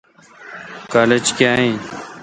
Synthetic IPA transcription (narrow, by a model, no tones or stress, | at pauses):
kaːled͡ʒkjaːɦẽː